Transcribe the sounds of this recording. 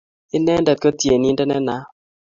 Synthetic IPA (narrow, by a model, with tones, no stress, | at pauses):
ɪ˦nɛ˦ndɛ˨t̪̚kɔ˦tje˨ni˦ndɛ˦nɛ˦na˦